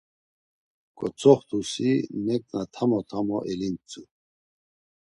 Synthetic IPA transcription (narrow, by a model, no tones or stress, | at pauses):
kʼɔt͡sʰʼɔχt̪usinɛk̚ʼnat̪ʰamɔt̪ʰamɔʔɛlint͡sʼu